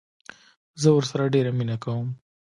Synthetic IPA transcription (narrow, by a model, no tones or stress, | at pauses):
zəwəɾsaɾaɖeɾaminakawəm